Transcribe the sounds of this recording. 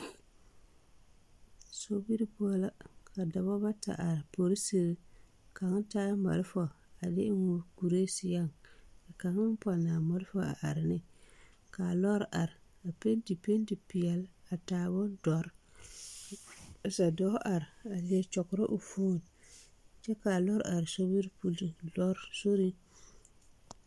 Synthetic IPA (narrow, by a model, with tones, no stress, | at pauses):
so˦bi˦ɾi˦pu˦a˦la˦kʰa˨da˨bɔ˦ba˦ta̰˨ʔa˨ɾpo˨ɾi˦se˦ɾ | ka˨ŋ˦taː˦ma̰˨lfɔ˨ | a˨dɪ˦ŋo˨ku˨ɾe˦sɪ˦ja˦˨ŋa˨ka˨ŋɪ˦pa˨na˨mɔ˦lfɔ˦a̰˨ʔa˨ɾɪ˨nɪ˦ | ka˨lɔ˦ɾʔa˨ɾ | a˨pe˦ndi˨pe˦ndi˨pi˨ɛ˨la˨taː˨bʊ˦n˦dɔ˨˦ɾ | sa˨dɔ˦ʔa˨ɾa˨lie˨t͡ʃɔ˨kʊ˨ɾɔ˦ʔʊ˨foː˦˨n | t͡ʃɛ˦ka˨lɔ˦ɾʔa˨ɾso˦bi˦ɾpu˦li˨lɔ˦ɾso˦ɾi˦